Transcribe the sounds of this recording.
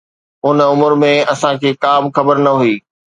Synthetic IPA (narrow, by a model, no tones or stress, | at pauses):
ʊnəʊməɾmẽɐsãkʰeːkaːmxɐbəɾnɐɦuiː